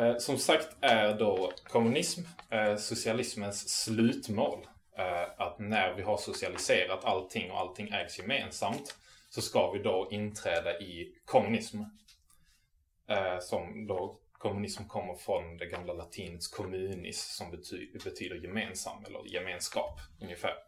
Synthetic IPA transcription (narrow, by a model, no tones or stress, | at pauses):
sɔmsakt̪ʰæɾɖɔkʰɔmɵnɪsmsʊsɪalɪsmənsːlʉ̟ːt̪mo̰ːl | at̪næɾvɪɦaʂʊsɪalɪseːɾat̪ʰalt̪ʰːɪŋːɔ̰ʔa̰lt̪ʰːɪŋːɛːɡsjɛmeːnsamt̪sɔskavɪd̪ɔʔɪnt̪ʰɾɛːd̪aʔɪkʰɔmɵnɪsm | sɔmd̪ɔkʰɔmɵnɪsmkʰɔmːəɾfɾɔnd̪ɛɡamlalat̪ʰiːnət̪skʰɔmʉ̟ːnɪ̰ssɔmːbɛt̪ʰyːd̪əɾjɛmeːnsa̰mːɛ̰lːə̰ɾjɛmeːnskɑ̰ːpɵnjəfæ̰ːɾ